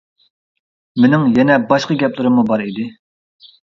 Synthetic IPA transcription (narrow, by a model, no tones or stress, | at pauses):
menɪŋjɛnɛbɑʃqəɡʲɛplˠɨɾɨmːubɑɾid̪ɪ